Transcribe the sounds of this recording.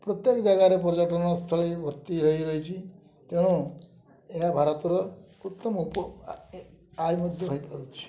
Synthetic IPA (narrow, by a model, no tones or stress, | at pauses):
pɾɔt̪jekɔd͡ʒaɡaɾep̬ɔɾd͡ʒaʈɔnɔst̪ʰɔɭibʱɔɾt̪iɾɔɦiɾɔɦit͡ʃʰi | t̪eɽ̃ũ | eɦabʱaɾɔt̪ɔɾɔ | ut̪ːɔmupɔ | ajmɔd̪ʱjɔɦɔjpɔɾut͡ʃʰi̥